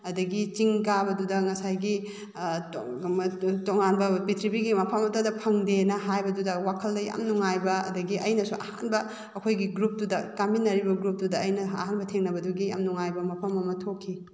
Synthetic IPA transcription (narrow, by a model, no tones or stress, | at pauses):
ɐdɐɡit͡ʃiŋkabɐdudɐŋɐsajɡi | toŋanbɐbitʰɾibiɡimɐpʰɐmɐtodɐpʰɐŋdenɐɦajbɐdudɐwakʰɐldɐjɐ̰mnuŋajbɐɐ̰dɐɡiʔɐjnɐsuʔɐ̰hanbɐː | kʰojɡiɡɾup̚dudɐkaminːɐɾibɐɡɾup̚dudɐɐjnɐɐhanbɐtʰeŋnɐbɐduɡiɐ̰mnuŋajbɐmɐpʰɐmɐmɐtʰokʰːi